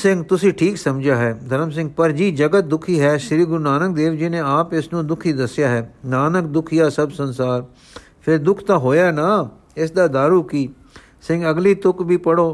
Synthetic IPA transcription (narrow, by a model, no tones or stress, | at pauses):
sɪ̃ŋɡt̪ʊsĩːʈʰiːksəmd͡ʒaːɦɛːd̪ʱəɾəmsɪ̃ŋɡ̚pəɾd͡ʒiːd͡ʒəɡət̪̚d̪ʊkʰiːɦɛːʃɾiːɡʊɾnaːnək̚d̪eːʋd͡ʒinẽːaːpɪsnũːd̪ʊkʰiːd̪əsjaːɦɛːnaːnəkd̪ʊkʰijaːsəbsənsaːɾ | pʰɪɾd̪ʊkʰt̪ãːɦoːjaːnaː | ɪsd̪aːd̪aːɾuːkiː | sɪ̃ŋɡəɡliːt̪ʊkbʱiːpəɽoː